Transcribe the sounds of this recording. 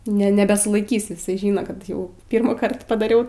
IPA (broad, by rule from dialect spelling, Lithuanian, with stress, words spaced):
nʲɛ ˈnʲɛ nʲɛbʲɛsʊlˠɐɪˈkʲiːs ɪˈsɐɪ ˈʒʲɪnoː kɐt ˈjɛʊ ˈpʲɪrmuːˌkɐrt pɐdɐˈrʲɛʊ